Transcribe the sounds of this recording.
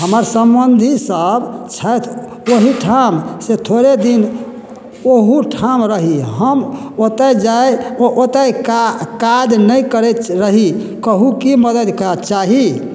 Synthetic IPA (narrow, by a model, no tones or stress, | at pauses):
ɦəməɾsəmbənd̪ʱisəbt͡ʃʰət̪ʰ | oɦiʈʰamset̪ʰoɾed̪in | oɦuʈʰamɾəɦiɦəmot̪əjd͡ʒaeoʔot̪əjkad̪nəjkəɾɛɾəɦi | kəɦukiməd̪əd̪kt͡ʃaɦi